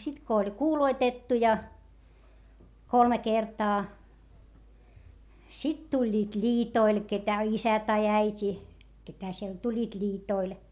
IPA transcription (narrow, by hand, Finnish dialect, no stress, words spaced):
sit ko olʲ kuːloitetːu jɑ kolme kertɑː sit tulʲːiːt lʲiːtoil ketæ isæ tɑi æitʲi ketæ siel tulʲːiːt lʲiːtoil